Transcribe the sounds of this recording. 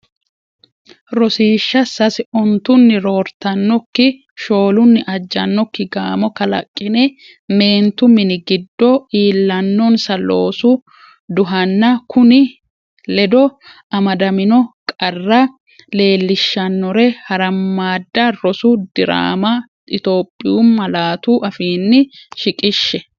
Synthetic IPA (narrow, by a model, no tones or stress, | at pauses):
ɾɔsiːʃːɐsɐsɪɔnt̪ʊnːɪɾo̞ːɾt̪ɐnːɔkːɪ | ʃo̞ːlʊnːɪʔɐd͡ʒːɐnːɔkːɪɡaːmɔkɐlɐ̰kʼːɪnɛ | me̞ːnt̪ʊmɪnɪɡɪd̪ːɔiːlːɐnːɔnsɐlo̞ːsʊ | d̪ʊɦɐnːɐkʰʊnɪ | lɛd̪ɔ | ɐmɐd̪ɐmɪnɔkʼɐrːɐ | le̞ːlːɪʃːɐnːɔɾɛhɐɾɐmːaːd̪ːɐɾɔsud̪ɪɾa̰ːmɐ | ɪt̪o̞ːpʼːɪjuːmːɐlaːt̪uːʔɐfiːnːɪʃɪkʼɪʃːɛ